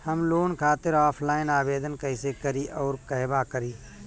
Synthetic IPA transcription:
hɐmloːnkʰaːt̪ɪɾaːpʰlaːɪnaːbeːd̪ənkɐɪsekəɾiʔɔːɾkəɦbakəɾiː

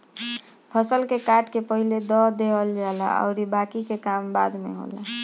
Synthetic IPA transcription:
pʰəsəlkekaʈkepəɦiled̪ɔd̪eɦəld͡ʒala̰ə̰ʊɾibakikekambad̪mḛɦo̰la

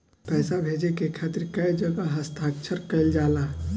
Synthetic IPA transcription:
pɛːsabʱeːd͡ʒekekʰaːt̪ɪɾkɐid͡ʒɐɡaɦɐst̪ʰaːkʃʰəɾkɐɪld͡ʒaːlaː

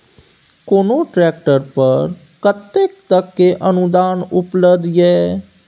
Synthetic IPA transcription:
koːnoʈɾɛːk̚ʈəɾpəɾ | kət̪ːek̚t̪əkːeʔɐnud̪aːnʊpləbd̪ʱjɛː

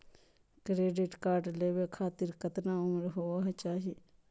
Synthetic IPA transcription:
kɾeːɖɪʈkaːɾʈleːʋeːkʰaːt̪ɪɾkət̪naːʊməɾɦoːaɦt͡ʃaːɦieː

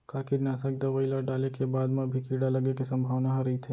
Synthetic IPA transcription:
kaːkɪɾnaːsak̚d̪ɐʋəilaɖaːlekebaːd̪mẽbʱikiːɽalɐɡekisɐ̃mbʱaːʋnaɦɾɐɦit̪ʰeː

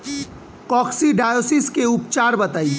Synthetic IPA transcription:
kɔksiɖajosiskeupt͡ʃaɾbət̪əj

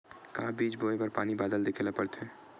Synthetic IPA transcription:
kaːbiːt͡ʃboːebɐɾpaːnibaːd̪əld̪ekʰeːlapəɽt̪ɦɛ̃ː

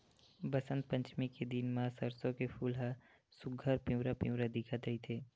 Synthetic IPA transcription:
bɐsə̃nt̪̚pə̃ɲt͡ʃmiked̪inmãːsɐɾsõkefʰuːlɦa | sʊɡʱəɾpĩwɾapĩwɾad̪ɪkʰat̪ɾɐit̪ʰeː

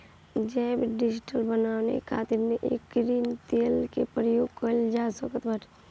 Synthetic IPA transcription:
d͡ʒɛbɖɪd͡ʒɪʈəlbənaːʋnḛkʰa̰ːt̪ɪɾmeʔḛːkːɾiːnt̪eːlkepɾəjoːɡkəld͡ʒaːsəkət̪bəʈ

